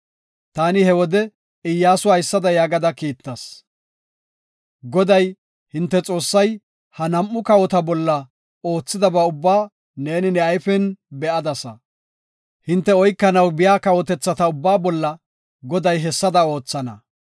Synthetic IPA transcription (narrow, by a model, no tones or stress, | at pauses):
t̪aːnɪhɛwɔd̪ɛ | ɪjːaːsʊɐjsːɐd̪ɐjaːɡɐd̪ɐkiːt̪ːɐs | ɡɔd̪ɐj | hɪnt̪ːɛt͡sʼo̞ːsːɐj | hɐnɐmːʊkɐwɔt̪ɐbɔlːɐ | o̞ːt͡sːɪd̪ɐbɐʊbːaː | ne̞ːnɪnɛɐjfɛnbɛʔɐd̪ɐsɐ | hɪnt̪ːɛɔjkːɐnɐwbɪjaːkɐwɔt̪ɛt͡sːɐt̪ɐʊbːaːbɔlːɐ | ɡɔd̪ɐjɦɛsːɐd̪ɐo̞ːt͡sːɐnɐ